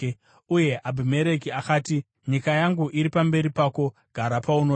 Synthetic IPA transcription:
uje̞ʔabʱime̞ɾe̞kiakaːti | ɲikajaŋɡuʔiɾipambe̞ɾipaːko̞ɡ̥ʱaɾapauno

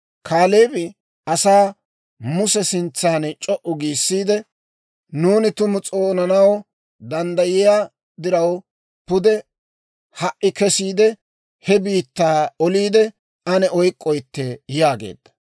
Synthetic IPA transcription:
kʰaːleːbɪ | ɐsaː | mʊsɛsɪnt͡sːaːnt͡ʃʼɔʔʊɡiːsːiːd̪ɛ | nuːnɪt̪ʊmʊt͡sʼoːnɐnɐw | d̪ɐnd̪ɐjɪjaː | d̪ɪɾɐw | pʊd̪ɛ | hɐʔɪkɛsiːd̪ɛ | hɛbiːt̪ːaːɔliːd̪ɛ | ɐnɛʔɔjkʼːɔjt̪ːɛjaːɡḛːd̪ːɐ̥

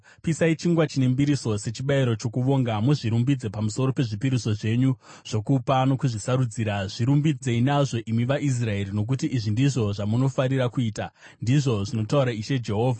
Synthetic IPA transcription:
pisait͡ʃiŋɡwat͡ʃinembiɾiso̞se̞t͡ʃiɓaiɾo̞t͡ʃo̞kuʋo̞ːŋɡamuʐiɾumbid͡ze̞pamuso̞ɾo̞pe̞ʐipiɾiso̞ʐe̞ɲu | ʐ̥o̞kupano̞kuʐisaɾud͡ziːɾaʐiɾumbid͡ze̞inaʐo̞ʔimiʋaʔis̬rae̞ɾino̞k̬utiʔːʐindiʐo̞ʐamuno̞faɾiɾakuiːta | ndiʐo̞ʐino̞tauɾaiʃe̞d͡ʒe̞ɦo̞ːvʱa

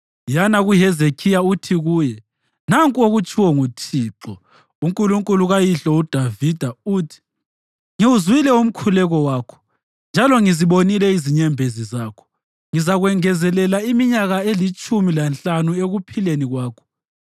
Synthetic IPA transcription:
janaɣuɦɛzekʰijautʰiɣuːjɛ | naŋkʼoɣut͡ʃʰʼiwɔŋutʰiːǁɔ | uŋkʼuluŋkʼuluɣajiɬɔud̥ʱavid̥ʱauːtʰi̥ | ŋiwuzwilɛum̩kʰulɛɣɔwaːkʰɔ̥ | nd͡ʒʱalɔŋiziɓonilɛiziɲɛmbʱezizaːkʰɔ̥ | ŋizaɣwɛŋɛzɛlɛlaimiɲaɣaelit͡ʃʼumilant͡ɬʼanueɣupʰileniɣwaːkʰɔ̥

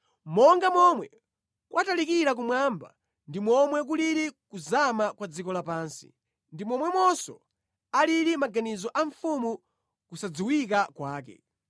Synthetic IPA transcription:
mɔŋɡamɔmwɛ | kwʔatalikiɾak̬umwaːmba̰ | ndimɔmwɛk̬uliɾikuzamakwad͡zikɔlapaːnsi̥̰ | ndimɔmwɛmɔsɔ̰ | aliɾimaɡanizɔʔaɱfumu | kusad͡ziwikakwaːk̬ɛ̰

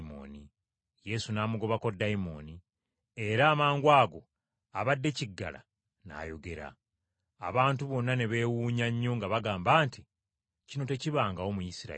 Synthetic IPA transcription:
mo̰ːni | je̞sunaːmuɡo̞βako̞dːaimo̞̰ni | e̞ɾaːmaːŋɡwaːɡo̞ | aβadːe̞ciɡːa̰la̰ | na̰ːjo̞ɡe̞ɾa̰ː | βaːntuβo̞nːane̞βe̞ːwuːɲaɲːo̞ŋɡaβaɡaːmbaːnti | cino̞te̞ciβaːŋɡaomujisiɾa̰

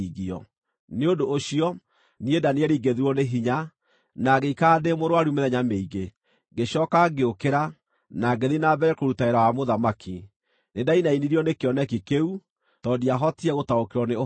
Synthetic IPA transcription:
iɣiɔ̰ | neodoʔːɕiɔ | niedaneɛɾiːɡeðeɾwɔneɦiɲa | naɣeikademoɾwaɾumeðɛɲameiɣe | ɡeɕɔkaɡeokeɾa | naɡeðinabɛɾɛkoɾutaeɾawamoðamakʰi | nedainainiɾijɔnekeɔnɛkikeu | tɔdiaɦɔtiɛɣotaokeɾɔne

